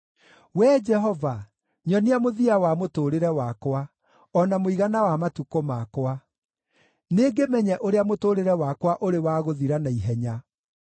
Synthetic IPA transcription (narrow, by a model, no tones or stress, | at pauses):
wɛd͡ʒɛɦɔva | ɲɔneamoðiawamotoːɾeɾɛwakwa | ɔnamoiɣanawamatukomakwa | neːɡemɛɲɛʔoɾeamotoɾeɾɛwakwaʔoɾewaɣoðiɾanaiɦɛɲa